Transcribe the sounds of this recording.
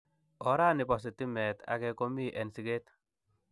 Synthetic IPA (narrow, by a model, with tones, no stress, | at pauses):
ɔ˨ɾa˦nɪ˨pɔ˨s̬i˨ti˦mɛ˨t̪a̰˨kɛ˧ko˦mi˦ʔɛ˨nsi˨ke˦t